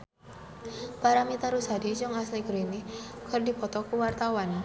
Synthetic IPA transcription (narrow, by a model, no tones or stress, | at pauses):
paɾamit̪aɾusadid͡ʒʊŋasliɡɾinikərdipɔt̪ɔkuwart̪awan